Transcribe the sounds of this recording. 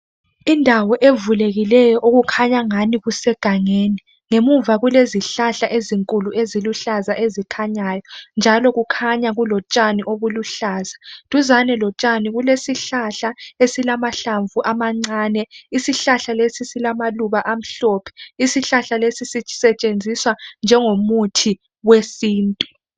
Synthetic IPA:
indʱawɔʔevuleɣilɛjɔʔoɣukʰaɲaŋaniɣusɛɡ̥ʱaŋeːni | ŋemuvaɣuleziɬaɬaʔeziŋkʼuluʔeziluɬazaʔezikʰaɲajɔnd͡ʒʱalɔɣukʰaɲaɣulɔt͡ʃʼaniʔoβuluɬaːzatʼuzanɛlɔt͡ʃʼaniɣulesiɬaɬaesilamaɬaɱvʱuʔamaŋ͡ǀaːnɛisiɬaɬalesisilamaluβaʔam̩ɬɔːpʰɛ̥isiɬaɬalesisisɛt͡ʃʼend͡zʱiswand͡ʒʱɛŋomutʰi | wesiːntʼu

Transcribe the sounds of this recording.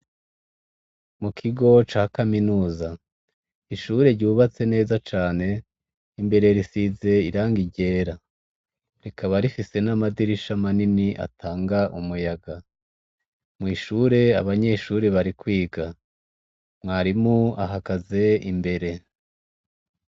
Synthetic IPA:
mukʰiɡo̞t͡ʃaːkaminuːza | iʃuːɾe̞ɾɟuːβat͡se̞ne̞ːzat͡ʃaːne̞ | imbe̞ɾe̞ɾisize̞iɾaːŋɡiɟe̞ːɾa | ɾe̞kʰaβaɾifise̞namadiɾiʃamaniniʔa̰tʰaːŋɡaʔumujaɡa | mŋiːʃuːɾe̞a̰βaɲe̞ʃuːɾe̞βaɾikwiːɡa | mŋaːɾimuaɦaɡaze̞imbe̞ɾe̞

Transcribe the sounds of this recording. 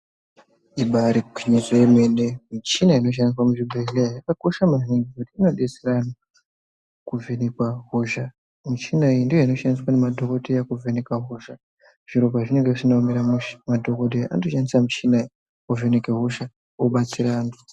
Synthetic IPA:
iɓaɾikwiɲizoemwenemit͡ʃinaino̞ʃ̬andis̬wamuʐiɓʱelejakako̞ʃamaiŋɡekutiinoɗeserano | kuvʱenekwaɦoʒa | mut͡ʃinaindijoino̞ʃaniswanemadʱo̞kotejakuvʱenekwaɦoʒa | ʐ̥iɾo̞paʐine̞ŋɡeisinomeɾamumadʱokot̬ea̰ndoʃanisamut͡ʃinai | ove̞nekeɦoʃa | oɓat͡siɾaːndu

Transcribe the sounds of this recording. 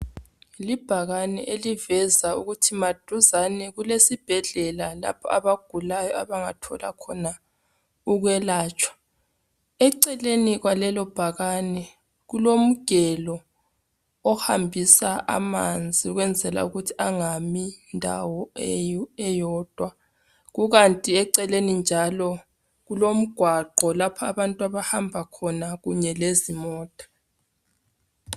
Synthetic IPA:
lib̥ʱaɣanɛʔelivɛzaṵɣutʰimad̥ʱuzanɛɣulesib̥ʱɛɮɛlala̰pʰɔaβaɡ̥ʱulajɔaβaŋa̰tʰɔ̰la̰kʰɔna | uɣwɛlaːt͡ʃʼʰwḁ | ɛǀɛleniɣwalɛlɔb̥ʱaɣanɛ | ɣulom̩ɡ̥ʱɛlɔː | hambʱisaʔa̰ma̰nd͡zʱiuɣwɛnd͡zʱɛla̰uɣutʰi̥aŋamindʱa̰wɔɛɛjɔːd̥ʱwa | ɣuɣantʼiɛǀɛlenind͡ʒʱalɔ | ɣulom̩ɡ̥ʱwaǃʱɔlapʰaaβantʼuaβahambʱakʰɔnaɣuɲɛlezimɔːtʼḁ

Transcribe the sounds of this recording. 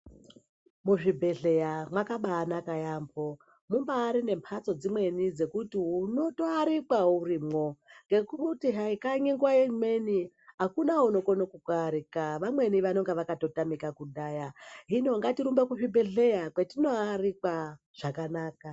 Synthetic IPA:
muʐibʱe̞ɮe̞jamwakaɓaːnakajaːmbo̞ | mumbaːɾine̞mpʰat͡so̞d͡zimwe̞nid͡ze̞kutiuno̞to̞aɾikwauriːmo̞ŋɡe̞kuutiɦaikaɲeŋɡwaemwe̞ni | ɦakunauno̞konokukaɾikaʋamwe̞niʋano̞ŋɡeʋakato̞tamikakuɗajaɦino̞ŋɡatiɾumbekuʐibʱe̞ɮe̞jakwetino̞arikwa | ʐ̥akanaːka

